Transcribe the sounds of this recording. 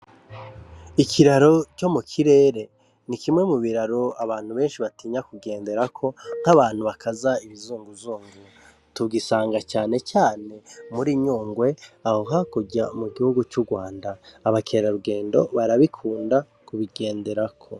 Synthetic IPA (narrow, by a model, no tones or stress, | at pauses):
ikʰiɾaɾo̞t͡ʃo̞mukʰiɾe̞ːɾe̞ | nikimŋe̞muβiɾaɾo̞aβaːn̥huβe̞ːnʃiβatiːɲakuɡe̞ːnde̞ɾakʰo̞ŋ̥haβaːn̥huβakʰazaiβizuːŋɡuzuːŋɡu | tubɡisaːŋɡat͡ʃaːne̞t͡ʃaːne̞muɾiɲuːŋɡwe̞ahoɦakuɟamuɡihuɡut͡ʃuːɡwaːndaːβakʰeɾaɾuɡe̞ːndo̞̰βaɾaβikʰuːnda | kuβiɡe̞ːnde̞ɾakʰo̞